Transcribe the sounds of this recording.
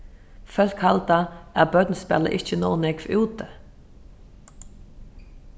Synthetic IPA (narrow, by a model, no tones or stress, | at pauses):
fœlkhɑlt̪ɑæbœd̪nəspɛ̰lə̰ʔɪçənoːnɛkfʉːt̪ə